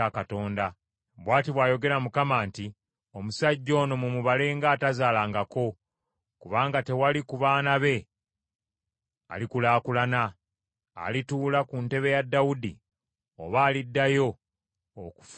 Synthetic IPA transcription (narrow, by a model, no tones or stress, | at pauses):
akato̞ːnda | βwaːtiβwaːjo̞ɡe̞ɾamukamaːnti | o̞musaɟːo̞ːno̞mumuβale̞ːŋɡaːtazaːlaːŋɡako̞ | kuβaːŋɡate̞walikuβaːnaβe̞ | a̰likulaːkulana̰ː | lituːlakunte̞βe̞jadːawudḭ | o̰βaːlidːajo̞ː | ku̥f